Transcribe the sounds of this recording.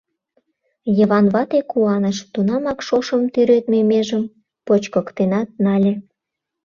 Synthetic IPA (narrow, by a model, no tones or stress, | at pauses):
jəβɑnβɑt̪ekuɑnəʃt̪unɑmɑkʃoʃəmt̪yɾøt̪memeʒəm | pot͡ɕkɤ̆kt̪enɑt̪̚nɑlʲe